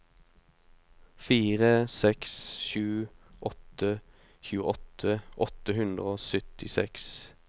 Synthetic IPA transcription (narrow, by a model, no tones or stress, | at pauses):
fiːʁəsɛksʃʉːʔɔt̪ə | çʉːəʔɔt̪ʰəʔɔt̪əhʉnd̪ʁəoːsœt̪ɪsɛks